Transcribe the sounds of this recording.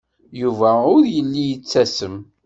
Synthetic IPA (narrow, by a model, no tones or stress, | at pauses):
juvæʊɾjəlːijət͡sːæsəm